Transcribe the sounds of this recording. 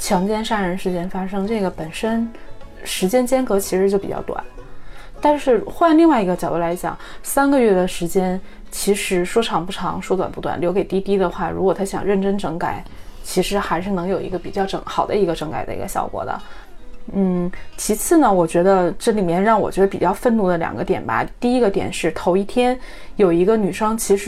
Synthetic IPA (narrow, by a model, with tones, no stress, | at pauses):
t͡ɕʰjɑ˧˥ŋt͡ɕjɛ˥nʂa˥˩ɻə˧˥nʂɻ̩˥˩t͡ɕjɛ˥nfa˥ʂɤ˥ŋʈ͡ʂɤ˥˩ɡə˩pə˨˩nʂə˥nʂɻ̩˧˥t͡ɕjɛ˥nt͡ɕjɛ˥nkɤ˧˥t͡ɕʰi˧˥ʂɻ̩˧˥t͡ɕjo˥˩ʊpi˨˩t͡ɕɑ̰˥˩ʊt̪wa̰˨˩˦n | t̪a˥˧nʂɻ̩˥˩xwa˥˧nli˥˧ŋwa˥˩ɪi˧˥ɡə˧t͡ɕjɑ˨˩ʊd̪ɔ˥˩la˧˥ɪt͡ɕjɑ̰˨˩˦ŋsa˥nɡə˧ɥɛ˥˩d̪ə˩ʂɻ̩˧˥t͡ɕjɛ˥n | t͡ɕʰi˧˥ʂɻ̩˧˥ʂwɔ˥ʈ͡ʂʰɑ˧˥˩ŋpu˥˩ʈ͡ʂʰɑ̰˧˥ŋʂwɔ˥t̪wa̰˨˩npu˥˩t̪wa̰˨˩nljo˧˥ke˨˩ɪt̪i˥t̪i˥d̪ə˨xwa˥˩ɻu˧˥kwɔ˨˩t̪ʰa˥ɕjɑ̰˨˩ŋɻə˥˩nʈ͡ʂə˥nʈ͡ʂɤ˧˥ŋka̰˨˩˦ɪt͡ɕʰi˧˥ʂɻ̩˧˥xa˧˥ɪʂɻ̩˥˩nɤ˧˥ŋjo˨˩ʊi˧˥ɡə˧pi˨˩t͡ɕjɑ˥˩ʊʈ͡ʂɤ̰˧˩˥ŋxɑ˨˩ʊd̪ə˦i˧˥ɡə˧ʈ͡ʂɤ˧˥ŋka˨˩ɪə̰˦ḭ˧˥ɡə̰˧ɕjɑ̰˥˩ʊkwɔ̰˨˩˦d̪ə̰˦ | n̩˥˩t͡ɕʰi˧˥t͡sʰɹ̩˥˩nə˩wɔ˨˩t͡ɕɥɛ˧˥d̪ə˧ʈ͡ʂɤ˥˩li˨˩mjɛ˥˧nɻɑ˥˩ŋwɔ̰˨˩t͡ɕɥɛ˧˥d̪ə˧pḭ˨˩t͡ɕjɑ˥˧ʊfə˥˧nnu˥˩d̪ə˧ljɑ̰˨˩ŋɡə˦t̪jɛ˨˩nbɐ̰˩t̪i˥˩i˥ɡə˧t̪jɛ̰˨˩nʂɻ̩˥˩t̪ʰo˧˥ʊi˥˩t̪ʰjɛ˥n | jo˨˩ʊi˧˥ɡə˧ny˨˩ʂɤ˥ŋt͡ɕʰi˧˥ʂɻ